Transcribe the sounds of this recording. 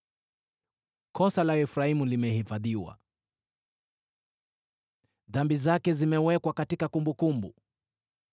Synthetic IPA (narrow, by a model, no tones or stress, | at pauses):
kʰɔsalaɛfɾaimulimɛhifaðiwa̰ | ðambizakɛzimɛwɛkwakatikakumbukumbu